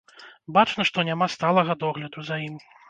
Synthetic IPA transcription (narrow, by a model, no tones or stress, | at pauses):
bat͡ʂnɐʂt̪ɔnʲamast̪alˠɐɣɐd̪ɔɣlʲɐd̪uzajimʲ